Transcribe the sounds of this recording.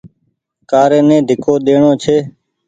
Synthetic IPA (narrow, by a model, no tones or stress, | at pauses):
kaːɾẽːnẽːd̪ʱɪkʰoːɗ̪eːɳoːt͡ʃʰeː